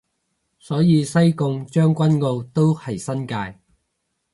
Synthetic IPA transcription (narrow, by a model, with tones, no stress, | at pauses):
sɔː˨˥jiː˨˧sɐ˥jkʊ˧ŋt͡ʃœː˥ŋkʷɐ˥nŋo˧wt̪o˥whɐ˨jsɐ˥nkaː˧j